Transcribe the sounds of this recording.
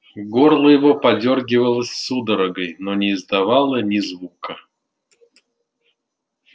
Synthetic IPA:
ɡorlˠəjɪvopɐdʲorɡʲɪvəlˠəsʲsud̪əɾəɡəjnonʲɪːzd̪avɑlˠənʲɪzvukə

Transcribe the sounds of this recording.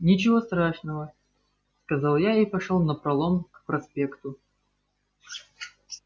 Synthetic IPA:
nʲɪt͡ɕɪvost̪ɾaʂnəvə | skɐzalˠjaɪpɐʂolˠnəpɾɐlˠomkpɾɐspʲekt̪ʊ

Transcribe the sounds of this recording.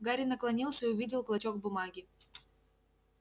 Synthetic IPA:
ɡaɾʲɪnəklˠɐnʲilˠsʲəiʊvʲidʲɪlˠklˠɐt͡ɕokbʊmaɡʲɪ

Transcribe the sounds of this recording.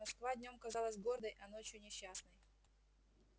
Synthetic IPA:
mɐskvadʲnʲo̞mkɐzalˠəsʲɡo̞rd̪əjʔɐno̞t͡ɕjʊnʲɪɕːasnəj

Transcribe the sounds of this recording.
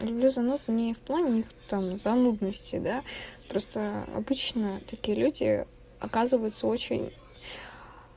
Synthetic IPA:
lʲʊblʲuzɐnut̪nʲɪfplˠanʲɪixt̪amzɐnud̪nəsʲtʲɪ̰d̪apɾo̞st̪əɐ̰bɨt͡ɕnət̪ɐkʲijəlʲudʲɪ̰ | ɐ̰kazɨvəjʊt̪səo̞t͡ɕɪ̰nʲ

